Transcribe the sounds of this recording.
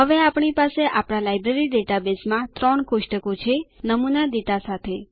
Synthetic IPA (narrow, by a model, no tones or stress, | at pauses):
ɦəʋeapɳ̃ipaseʔapɳ̃alajbɾeɾiɖeʈabesmãt̪ɾɔɳkʊʃʈəkot͡ʃʰenəmunad̪eʈasat̪ʰe